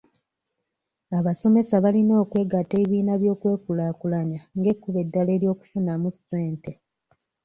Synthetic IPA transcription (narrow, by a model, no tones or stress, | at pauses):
aβaso̞me̞saβalino̞ːkwe̞ːɡateβiːnaβjo̞ːkwe̞ːkulakulaɲaŋɡe̞kːuβe̞dːale̞ːljo̞ːku̥funamuse̞ːnte̞